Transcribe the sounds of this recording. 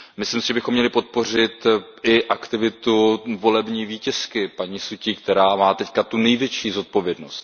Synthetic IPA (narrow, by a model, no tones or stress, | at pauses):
mɪslimsɪʒɛbɪxo̞mːɲɛlɪpo̞t̪̚po̞r̝ɪt̪ʔɪʔakt̪ɪvɪt̪uvo̞lɛbɲiːviːcɛskɪpaɲiːsuciːkt̪ɛɾaːmaːt̪ɛckat̪unɛjvjɛt͡ʃiːzo̞t̪̚po̞vjɛdno̞st̪